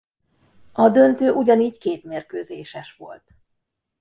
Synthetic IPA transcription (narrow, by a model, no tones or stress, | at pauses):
ɒd̪ønt̪øːʔuɟɒniːckeːt̪meːrkøːzeːʃɛʃʋo̞̰lt̪